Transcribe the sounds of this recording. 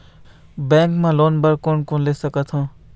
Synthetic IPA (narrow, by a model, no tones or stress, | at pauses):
bɛ̃ŋkmãlonbəɾkonkonlesəkət̪ʰɦõ